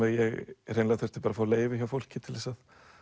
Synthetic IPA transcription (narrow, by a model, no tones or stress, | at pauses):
ɛjɛɣr̥ejnlaɣaθœ̥t̪ɪ̥paːɾafaːwleːjvɪçawfowl̥cɪt̪ʰɪlðɛsað